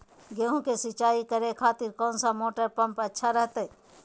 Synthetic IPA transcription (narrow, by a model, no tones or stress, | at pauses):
ɡeɦũkesɪt͡ʃaːikəɾekʰaːt̪ɪɾkɔːnsamoːʈəɾpɐ̃mpɐtːʃʰaɾəɦt̪eɦɛ